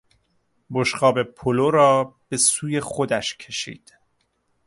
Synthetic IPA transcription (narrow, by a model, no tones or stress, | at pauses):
boʃqɒːbe̞pʰoloɾɒːb̥e̞suːje̞χod̪æʃcʰe̞ʃḭːd̪̥